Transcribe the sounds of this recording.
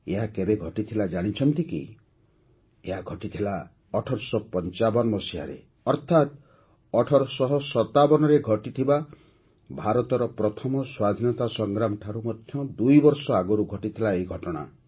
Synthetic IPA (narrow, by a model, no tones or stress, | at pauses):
eɦakebeɡʱɔʈit̪ʰilad͡ʒaɽ̃it͡ʃʰɔnt̪ikḭ | eɦaɡʱɔʈit̪ʰila | ɔʈʰɔɾsɔpɔnt͡ʃabɔnmɔsiɦa̰ɾḛ | ɔɾt̪ʰat̪ | ɔʈʰɔɾɔsɔɦɔsɔt̪abɔñɔɾeɡʱɔʈit̪ʰiba | bʱaɾɔt̪ɔɾɔpɾɔt̪ʰɔmɔswad̪ʱinɔt̪asɔŋɡɾamʈʰaɾumɔd̪ʱjɔd̪ujbɔɾsɔaɡɔɾuɡʱɔʈit̪ʰilaeiɡʱɔʈɔɽ̃a̰